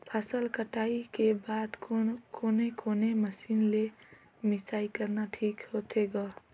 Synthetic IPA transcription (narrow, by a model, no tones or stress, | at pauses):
pʰasəlkəʈaikebad̪kokonekoneməsinle | misaikəɾnaʈʰiːkhot̪ʰeɡɔ